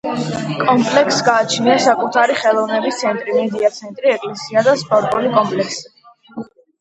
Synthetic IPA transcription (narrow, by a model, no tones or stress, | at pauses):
kʼɔmpʼlɛksɡaːt͡ʃʰniasakʼut̪ʰaɾiχɛlˠɔvnɛbist̪sʰɛnt̪ʼɾimɛd̪iat̪sʰɛnt̪ʼɾiɛkʼlɛsiad̪aspʼɔɾt̪ʼulikʼɔmpʼlɛksi̥